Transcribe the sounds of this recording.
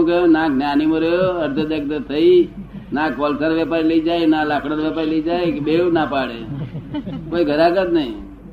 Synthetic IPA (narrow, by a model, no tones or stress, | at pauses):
ũkəonãɡʱnjanimoɾəjoəɾd̪ʱəd̪ək̚t̪ət̪ʰəi | nãkɔlsəɾʋjɛpaɾiləid͡ʒajnãlakʰɽəɾʋɛpaɾiləid͡ʒaekeɓeɭũnapaɽḛ | koiɡʱəɾaɡət̪nəḭ̃